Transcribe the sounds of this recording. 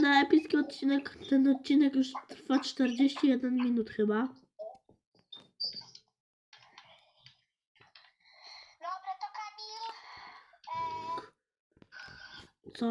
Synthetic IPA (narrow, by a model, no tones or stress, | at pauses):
naɛpʲiskʲiɔt̪̚t͡ɕinɛkt̪ɛnɔt̪̚t͡ɕːinɛkjuʂt̪ɾfat͡ʂt̪ɛɾd͡ʑeɕt͡ɕijɛd̪ɛnmʲinut̪xɘba | t̪k | t̪sɔ